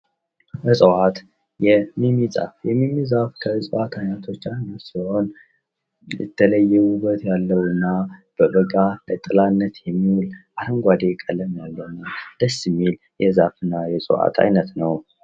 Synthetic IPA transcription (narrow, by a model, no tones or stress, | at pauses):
ʔɨsʼəwat̪ | jɛmimiza̰fjɛmimːizafkʰəsʼəʔat̪ʰajnət̪ʰo̞t͡ʃːajnosiho̞n | jɪ̰t̪ʰːələjːɛwubət̪jalːəwɨnːab̥əbəɡalət̪ʼɨlanːət̪jɛmːiwulʔahəŋɡʷad̪ekʼəlːəmjalːənɨmd̪̥əsːɪmːil | jɛzafɨnːajɛsʼə̰wa̰t̪ʰa̰jnət̪nəw